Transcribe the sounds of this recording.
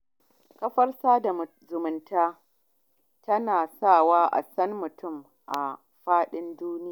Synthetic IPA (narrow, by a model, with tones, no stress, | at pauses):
kɐ˦ɸɐ˦rsaː˦da˨ | zʊ˨mʊ˨ntaː˦ | tɐ˦naː˨saː˦˨waː˦ʔa̰˨sɐ˦nːʊ˨tʊ˦m | ʔa˨ | ɸaː˦ɗɪ˦nduː˦nɪ˦ja˨